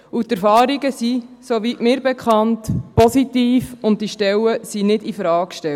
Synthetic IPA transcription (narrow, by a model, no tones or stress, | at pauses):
utɛɾfɑːɾiɡəsisoʋitmɪːɾbɛkʰχɑntpɔsitiːfʊnt̚diʃtɛləsinɪdifɾɑːkʃtɛ